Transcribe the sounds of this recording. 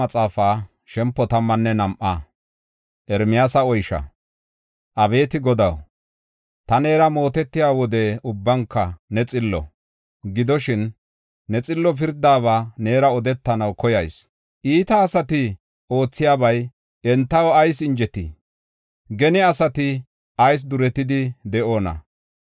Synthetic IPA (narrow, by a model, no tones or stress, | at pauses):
ɐt͡sʼaːfaː | ʃɛmpːɔt̪ɐmːɐnːɛnɐmʔɐ | ʔɛɾmɪjaːsɐɔjʃɐ̰ | ʔɐbe̞ːt̪ɪɡɔd̪ɐw | t̪ɐne̞ːɾɐmo̞ːt̪ɛt̪ːɪjaːwɔd̪ɛʊbːɐŋkːɐnɛt͡sʼɪlːɔ̰ | ɡɪd̪ɔʃɪnː | ɛt͡sʼɪlːɔp̬ɪɾd̪aːβaːne̞ːɾɐɔd̪ɛt̪ːɐnɐwkɔjɐjs | ʔiːt̪ɐːsɐt̪ɪ | o̞ːt͡sːɪjaːbɐj | ɛnt̪ːɐwɔɐjsɪnd͡ʒɛt̪ːḭ | ɡɛnɪɐsɐt̪ɪ | ʔɐjs̬d̪ʊɾɛt̪ːɪd̪ɪd̪ɛʔo̞ːnɐ̰